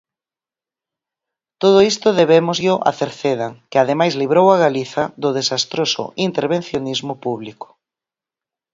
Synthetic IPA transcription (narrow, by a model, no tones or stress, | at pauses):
t̪oð̞ʊist̪ʊðeβemʊzʎʊʔa̰θeɾθeðaŋkɪað̞emajzliβɾowaɣaliθaðʊðesast̪ɾosʊ̰int̪eɾβenθjonizmʊpuβlikʊ̥